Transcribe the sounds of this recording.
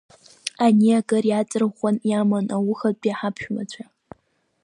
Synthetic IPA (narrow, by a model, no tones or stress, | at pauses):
aniakʼɐrjat͡sʼɨrχʷɔnjamanawʊxɐpʼiħapʰʃᶣmat͡ɕʷʰa